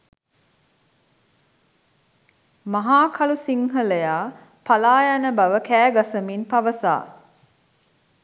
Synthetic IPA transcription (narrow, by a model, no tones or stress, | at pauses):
maɦaːkʰalusiŋɦələjaː | palaːjanəbaʋəkæːɡasəminpaʋəsa̰ː